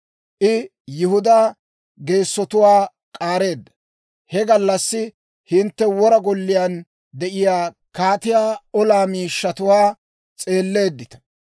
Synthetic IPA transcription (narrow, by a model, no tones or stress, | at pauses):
ʔɪ | jʊhʊd̪aː | ɡe̞ːsːɔt̪ʊwaː | kʼaːɾe̞ːd̪ːɐ̥ | hɛɡɐlːɐsːɪ | hɪnt̪ːɛwɔɾɐɡɔlːɪjan | d̪ɛʔɪjaː | kaːt̪ɪjaːɔlaːmiːʃːɐt̪ʊwaː | t͡sʼe̞ːlːe̞ːd̪ːɪt̪ɐ̥